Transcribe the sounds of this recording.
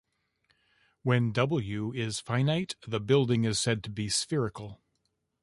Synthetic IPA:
wɨ̃ndʌbl̩ˠjʉɪz̥fãɪ̃naɪt̪ðəbɪlˠdɪ̃ŋɨz̥sɛd̚tʰəbisfɪɹɨkl̩ˠ

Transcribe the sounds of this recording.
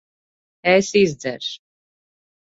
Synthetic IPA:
ɛsizd̪zɛ̰ɾʃ

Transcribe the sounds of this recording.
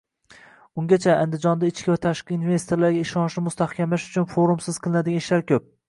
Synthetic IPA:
ʊŋɡʲat͡ʃʰaːnd̪ɪd͡ʒɒnd̪aɪt͡ʃkʲɪvat̪ʰaʃqɨinve̞st̪ʰoɾlaɾɡʲaɪʃɒnʃnɪmʊst̪ʰahkʲamlaʃʊt͡ʃʰʊnfoɾumsɪz̥qʰɨlˠɪnad̪ɪɡʲanɪʃlaɾkʲʰɵp̚

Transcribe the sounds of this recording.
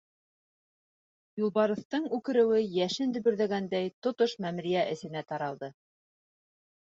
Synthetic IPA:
julˠβɑɾɤ̆θt̪ɤɴʉkɘ̆ɾɘ̆wɘjæʃɘnd̪ɵ̆βɵ̆ɾðæɡænd̪æjt̪ŏt̪oʃmæmɾijæʔɘ̆sɘ̆næt̪ɑɾɑlˠd̪ɤ

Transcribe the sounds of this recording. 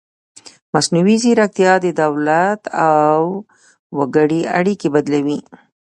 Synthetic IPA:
masnuwiziɾak̚t̪jɑd̪əd̪awlat̪awː | aɡəɽiaɽikebad̪lawi

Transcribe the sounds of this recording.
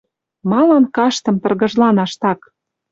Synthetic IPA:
mɑlɑnkɑʃt̪ɤ̆mt̪ɤ̆rɣɤ̆ʒlɑnɑʃt̪ɑk

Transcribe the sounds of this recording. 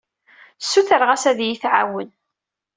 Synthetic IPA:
sːuθəɾʁæsæðjiθʕawən

